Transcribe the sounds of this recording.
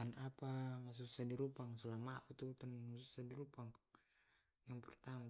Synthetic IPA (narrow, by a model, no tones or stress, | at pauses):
anapaŋas̬usadiɾupaŋsulamaput̪ut̪anŋasusadiɾupaŋ | jaŋpɛrt̪ama